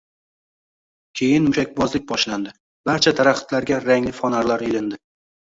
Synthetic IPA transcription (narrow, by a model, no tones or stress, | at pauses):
kʲʰe̞jɪnmʊʃak̚ʲbɒzlɪk̚ʲbɒʃland̪ɪ | baɾt͡ʃʰat̪ʰaɾaχɪ̥t̪laɾɡʲaɾaŋlɪfɒnaɾlaɾelɪnd̪ɪ